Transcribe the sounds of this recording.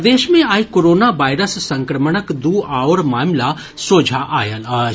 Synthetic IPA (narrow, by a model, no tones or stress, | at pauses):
d̪eːʃmẽaːikoːɾoːnaʋaːɪɾəssɐ̃ŋkɾəməɳəkd̪uːaːoɾmaːmla | soːd͡ʒʱaʔaːjəla